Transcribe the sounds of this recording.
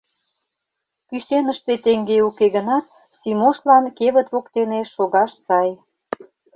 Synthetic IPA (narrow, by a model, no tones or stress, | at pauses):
pysenəʃt̪et̪eŋɡeukeɣənɑt̪̚ | simoʃlɑnkeβə̆t̪βokt̪eneʃoɣɑʃsɑj